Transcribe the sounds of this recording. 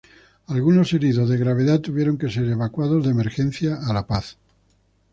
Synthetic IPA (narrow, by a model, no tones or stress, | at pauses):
alɣuno̞se̞ɾiðozðe̞ɣɾaβ̞eðat̪uβje̞ɾo̞ŋke̞se̞ɾeβakwað̞o̞zðeme̞ɾxen̟θjaːlapaθ